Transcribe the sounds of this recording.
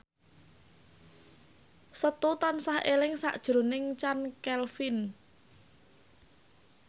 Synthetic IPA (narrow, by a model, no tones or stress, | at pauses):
sət̪ut̪ansahelɪŋsa̰ʔd̥ʒ̥ɾo̤nɪŋt͡ʃankɛlfin